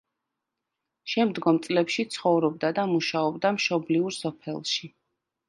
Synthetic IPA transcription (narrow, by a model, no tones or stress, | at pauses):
ʃɛmd̪ɡɔmt̪sʼlɛpʃit̪sʰχɔvɾɔb̚d̪ad̪amuʃaɔbd̪amʃɔbliuɾsɔpʰɛlˠʃi